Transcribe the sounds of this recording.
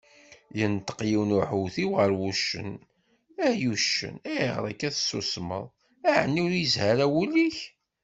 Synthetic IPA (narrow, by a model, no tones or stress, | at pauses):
jənt̪ə̥qjiwnuħuwθiwʁəɾwuʃːə̰n | æjuʃːə̰næʁɾˤækːæθsːṵsmə̰ðˤ | æʕənːiʊɾjəzhaɾæwuliç